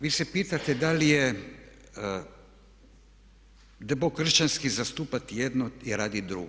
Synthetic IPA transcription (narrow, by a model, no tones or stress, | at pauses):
ʋiːsepiːt̪at̪ed̪alije | d̪eboɡkr̩ʃt͡ʃanskizast̪uːpat̪jed̪noiɾaːd̪id̪ɾṵɡo